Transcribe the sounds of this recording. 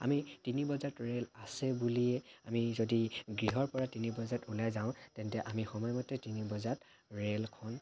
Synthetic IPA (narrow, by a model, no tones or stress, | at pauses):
a̰mitinibɔzatɹelasɛbuliɛamizodiɡɹiɦɔɹpɔɹatinibɔzatulajzaʊ̃tɛntɛʔamixɔmɔjmɔtːɛtinibɔzat | ɹelkʰɔn